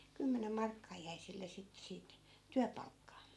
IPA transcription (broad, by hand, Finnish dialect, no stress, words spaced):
kymːenem mɑrkːɑː jæi silːe sitːĕ siːt tyæpɑlkːɑː